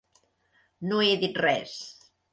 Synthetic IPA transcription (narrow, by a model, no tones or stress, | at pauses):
noeðit̪rɛs